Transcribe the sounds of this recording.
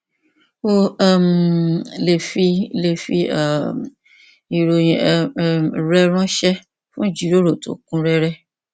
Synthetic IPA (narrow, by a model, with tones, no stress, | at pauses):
o˦a˦m˨le˨fi˧le˨fi˧a˦˨m˨ | i˧ɾo˧ĩ˧˦˧ɾɛ˦ɾ̃ɔ̃˦ʃɛ˦ | fũ˦d͡ʒi˨ɾo˦ɾo˨to̰˨kũ˦ɾɛ˦ɾɛ˦